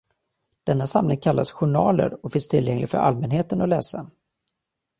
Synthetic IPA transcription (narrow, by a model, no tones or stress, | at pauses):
d̪̥ɛnːasamlɪŋkʰalːasɧʊɳɑːlə̰ɾɔkfɪnst̪ʰɪlːjɛŋlɪɡfœɾʔa̰lmɛnɦeːt̪ənɔlɛːsa